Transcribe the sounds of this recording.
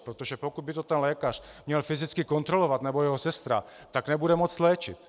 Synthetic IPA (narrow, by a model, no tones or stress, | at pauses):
pɾot̪oʒɛpokud̪̚bɪt̪ot̪ɛnlɛːkar̝̥mɲɛlfizɪt͡skɪkont̪ɾolovat̪nɛbojɛɦosɛst̪ɾa̰ | t̪aɡnɛbudɛmot͡slɛːt͡ʃɪ̰t̪